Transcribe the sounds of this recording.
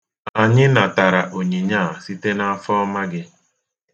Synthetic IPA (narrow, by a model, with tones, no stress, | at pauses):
a˨ɲɪ˦na˨ta˨ɾa˨ʔo˨ɲe˨ɲaː˦˨si˦te˦na˦a˦fɔ˦ma˦ɡɪ˦